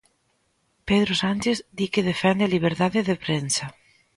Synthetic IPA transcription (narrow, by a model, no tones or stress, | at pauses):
peðɾosanʲt͡ʃeθd̪ikeðefɛnd̪eliβ̞eɾt̪aðeðepɾensa